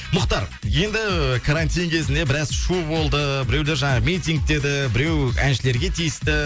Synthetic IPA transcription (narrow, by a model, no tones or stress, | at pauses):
mʊqt̪ɑɾ | je̞nd̪ɪkʰaɾant̪ijŋkʲʰe̞zɪnd̪e̞bɪɾɑzʃubo̞lˠd̪əbɪɾe̞wle̞ɾʒɑɴɑmʲijt̪iŋk̚t̪e̞d̪ɪbɪɾe̞wæ̰nʃɪle̞ɾɡʲe̞t̪ʰijɪst̪ɪ